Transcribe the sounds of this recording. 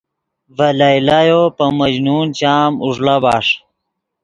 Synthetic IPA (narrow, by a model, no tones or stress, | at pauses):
vɐlailajopɐmɐd͡ʑnuːnt͡ɕaːmuʐlabaːʂ